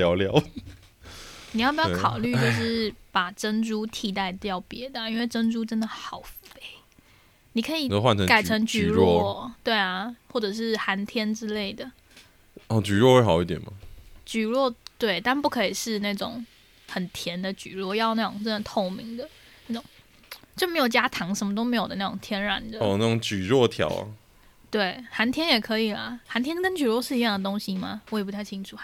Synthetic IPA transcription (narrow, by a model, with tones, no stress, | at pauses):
ljɑ˧ʊljɑ˨˧˦ʊ | ni˨jɑ˥˩pi˨˩jkʰɑ˨˩ʊly˥˧t͡ɕjo˥˧ʊʂɻ̩˥˩pa˨˩ʈ͡ʂə˥nʈ͡ʂu˥t̪ʰi˧˥t̪a˥˩ɪt̪jɑ˥˩ʊpjɛ˧˥d̪ə˨i˥nwe˥˩ɪʈ͡ʂə˥nʈ͡ʂu˥ʈ͡ʂə˥nd̪ə˨xɑ˨˩ʊfe˥ɪ | ni˨˩kʰɤ˧˥i˨˩˥xwa˥˨nʈ͡ʂʰə˧ŋka˨˩ɪʈ͡ʂʰə˧˥ŋt͡ɕy˥ɻwɔ˥˧˥t̪we˥˩ɪa˩xwɔ˥˩ʈ͡ʂə˨˩ʂ̬ɻ̩˥˩xa˧˥nt̪ʰjɛ˥nʈ͡ʂɻ̩˥le˥˩ɪd̪ə˩ | ɔ˥˧˩t͡ɕy˨ɻwɔ˥˧xwe˥˩ɪxɑ˨˩ʊi˥˩t̪jɛ̰˨˩nma̰˨˩t͡ɕy˨˩ɻwɔ˥˩t̪we˥˩ɪt̪a˥˧npu˥˩kʰɤ˧˥i˨˩ʂɻ̩˥˧na˥˩ʈ͡ʂʊ˨˩˦ŋ | xə˨˩nt̪ʰjɛ˧˥nd̪ə˨t͡ɕy̰˨˩ɻwɔ˥˧jɑ˥˧ʊna˥˩ʈ͡ʂʊ˨˩ŋʈ͡ʂə˥nə˧˩t̪ʰo˥˩ʊmi˧˥ŋd̪ə˨ | na˥˩ʈ͡ʂʊ˨˩ŋ | t͡ɕjo˥˩me˧˥ɪjo˨˩t͡ɕja˥t̪ʰɑ˧˥ŋʂə˧˥nmə˧t̪o˥ʊm˧˥ɪjo˨˩ʊd̪n˥˩ʈ͡ʂʊ˨˩ŋt̪ʰjɛ˥nɻa̰˨˩nd̪ə˨˩na˥˩ʊ˧˦ŋt͡ɕy˨˩ɻwɔ˥˩t̪ʰjɑ̰˨˧˥ʊ̰ | t̪we˥˩ɪxa˧˥nt̪ʰjɛ˥njɛ˨˩kʰɤ˧˦i˨˩lə̰˩xa˧˥nt̪ʰjɛ˥nkə˥nt͡ɕy˨˩ɻwɔ˥˧ʂɻ̩˥˩i˧jɑ˥˩ŋd̪ə˩t̪o˥ŋɕi˥ma̰˨wɔ˧˥˩p̬u˥t̪ʰa˥˩ɪt͡ɕʰi˥ŋʈ͡ʂʰu˨˩